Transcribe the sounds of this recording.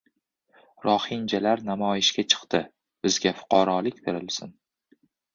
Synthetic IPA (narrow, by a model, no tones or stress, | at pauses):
ɾɒhɪnd͡ʒalaɾnamɒjɪʃɡʲat͡ʃʰɨ̥qt̪ɪ | b̥ɪzɡʲafʊ̥qʰɒɾɒlɪkʲbe̞ɾɪlsɪn